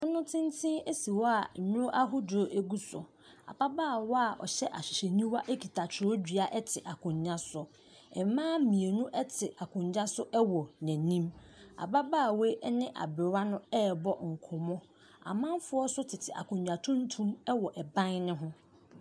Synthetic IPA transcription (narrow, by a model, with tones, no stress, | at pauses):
nʊ̃˦nʊ̃˦tʰɪ̃˦n˦tʰɪ̃˦e˦si˨wɔ˦a˨ɲʊ̃˦ʔa˦ɦʊ˦dʊ˨ɾo˨ʔe˦ɡu˦sʊ˨ | a̰˨ba˦baː˦˨wɔ˦a˨ʔɔ̰˨ɕɛ˦ʔa˨ɕᶣi˨ɕe˨nĩ˦wa˦ʔe˦kʰi˨tʰa˨t͡ɕʰɪ˨ɾɔ˦d͡ʑᶣɥa˨ʔɛ˦tʰɪ˨ʔa˨kʰʊ̃˨ɲ˨ɲã˦sʊ˨˦ | ɛ˨m˦mãː˦mĩ˨e˨nũ˦ʔɛ˦tʰɪ˨ʔa˨kʰʊ̃˨ɲd͡ʑa˦sʊ˦ʔɛ˦wɔ˨næ̃˨nĩ˦ma̰˨ba˦baː˦˨we˦ʔɛ˦nɪ̃˦ʔa̰˨bɪ˨ɾa˦nʊ̃˦ɛ˦bɔ˦ŋ̩˨kʰʊ˨mɔ̃˦ | a̰˨mã˦m˦fʊ˦ɔ˦sʊ˦tʰɪ˨tʰɪ˨ʔa̰˨kʰʊ̃˨ɲɲã˨tʰʊ̃˦n̩˦tʰũ˦m˦wɔ˨ʔɛ˨bã˦nnɪ̃˦ɦʊ̃˦